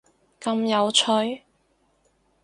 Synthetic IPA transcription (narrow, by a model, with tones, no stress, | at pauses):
kɐ˧mjɐ˨˧wt͡ʃʰɵ˧˥ɥ